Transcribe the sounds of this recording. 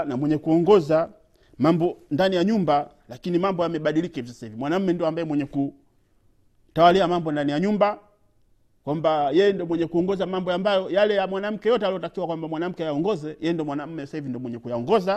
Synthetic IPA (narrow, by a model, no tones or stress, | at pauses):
namwɛɲɛkuɔŋɡɔza | mambɔndanijaɲumba | lakinimambɔjamɛɓaɗilikaiviɔsahivimwanam̩mːɛndiɔambajɛmwɛɲɛku | tawaliamambɔndanijaɲumba | kwambajɛjɛndɔmwɛɲɛkuɔŋɡɔzamambɔambajɔjalɛjamwanam̩kɛjɔtɛaliɔtakiwakwambamwanam̩kɛajaɔŋɡɔzɛjɛjɛndɔmwanam̩mːɛsahivindɔmwɛɲɛkujaɔŋɡɔza